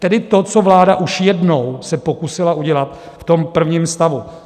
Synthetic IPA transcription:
t̪ɛdɪt̪o̞t͡sovlaːdaʔuʃjɛdnowsɛpo̞kusɪlaʔuɟɛlat̪ | ft̪o̞mpr̩vɲiːmst̪avu

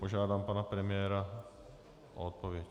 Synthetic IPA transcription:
poʒaːd̪aːmpanapɾɛmɪjɛːɾa | ɔt̪̚pɔʋɪɛc

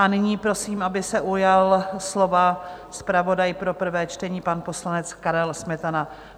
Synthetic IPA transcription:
ʔanɪɲiːpɾo̞siːmʔabɪsɛʔujalslo̞va | spɾavo̞dajpɾo̞pr̩vɛːt͡ʃt̪ɛɲiːpanpo̞slanɛt͡skaɾɛlsmɛt̪ana

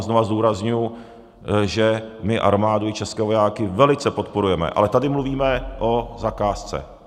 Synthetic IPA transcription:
zno̞vazduːɾazɲujʊ | ʒɛmɪʔa̰ɾmaːdoɪt͡ʃɛskɛːvo̞jaːkɪvɛlɪt͡sɛpo̞t̪po̞ɾujɛmɛ̰ʔa̰lɛt̪adɪmluviːmɛʔo̞zakaːst͡sɛ̰

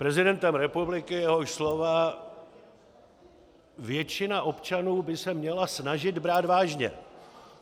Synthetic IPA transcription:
pɾɛzɪdɛnt̪ɛmɾɛpublɪkɪjɛɦoʃslo̞va | vjɛt͡ʃɪnaʔo̞pt͡ʃanuːbɪsɛmɲɛlasnaʒɪd̪bɾaːd̪vaːʒɲɛ̰

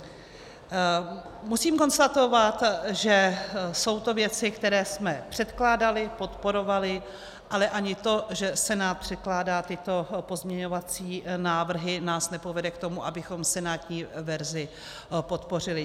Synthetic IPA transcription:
musiːmko̞nst̪at̪o̞vat̪ʒɛso̞wt̪o̞vjɛt͡sɪkt̪ɛɾɛːsmɛpr̝̥ɛt̪klaːdalɪpo̞t̪po̞ɾo̞valɪ | ʔalɛʔaɲɪt̪o̞ʒɛsɛnaːt̪̚pr̝̥ɛt̪̚klaːdaːt̪ɪt̪o̞po̞zmɲɛɲo̞vat͡siːnaːvr̩ɦɪnaːsnɛpo̞vɛdɛkt̪o̞muʔabɪxo̞msɛnaːt̪ɲiːvɛɾzɪ | po̞t̪po̞r̝ɪlɪ

